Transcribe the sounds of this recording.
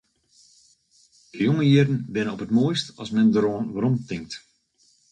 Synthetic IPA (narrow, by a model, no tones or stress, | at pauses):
əjoŋəjiərdən̩bɪnənɔpətmoːjstɑ̰smɛndəɾoənʋəɾɔmtɪŋk̚t